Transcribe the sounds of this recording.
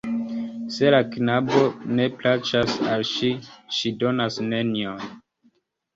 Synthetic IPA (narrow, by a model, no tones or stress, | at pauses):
se̞laknabo̞ne̞plat͡ʃasalʃiʃido̞nasne̞nion